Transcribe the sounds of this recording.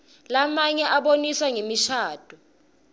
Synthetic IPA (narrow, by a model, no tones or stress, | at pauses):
lamaɲɛʔaɓoniswaŋemiʃaːd̥ʱu